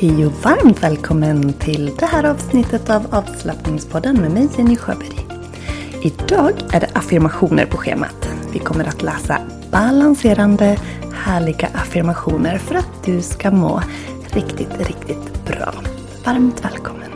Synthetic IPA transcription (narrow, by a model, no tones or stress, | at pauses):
hɛjʊvaɾmt̪vɛːlkʰɔmːənt̪ʰɪld̪ɛhæːɾɑːvsnɪt̪ːət̪avɑːvslapnɪŋspʰɔd̪ːənmɛːmɛjsɛnɪɧø̰ːbɛɾ | ɪd̪ɑːɡæɖɛʔafɪɾmaɧuːnə̰ɾpʰɔɧḛːma̰t̪vɪkʰɔmːəɾʔat̪lɛːsa̰ | b̥alanseːɾand̪ə | hæːɭɪɡa̰ʔafɪɾmaɧuːnəɾfœɾat̪̚d̪ɵskamo̰ː | ɾɪkt̪ɪt̪ɾɪkt̪ɪt̪b̥ɾɑ̰ː | vaɾmt̪vɛ̰ːlkʰɔmːən